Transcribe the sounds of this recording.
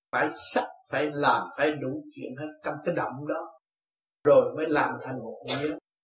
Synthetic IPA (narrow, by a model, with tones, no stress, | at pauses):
faː˧˩jsa˦˥t̚faː˧˩jlaː˨˩mfaː˧˩jɗu˧˩˦t͡ɕwḭ˧˨ənhəː˧t̚t͡ɕa˧wŋ͡mkaː˨˦jɗə̰˧˨wmɗɔ˨˦ | zo˨˩jməː˨˦jlaː˨˩mt̪ʰa˨˩jŋ̟mo˨˩t̚ɲi˨˦ə